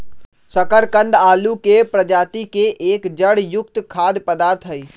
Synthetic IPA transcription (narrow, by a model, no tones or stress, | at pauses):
səkəɾkə̃nd̪aːlukepɾəd͡ʒaːt̪ikeʔeːkd͡ʒəɽjʊk̚t̪kʰaːd̪pəd̪aːɾt̪ʰɦəiː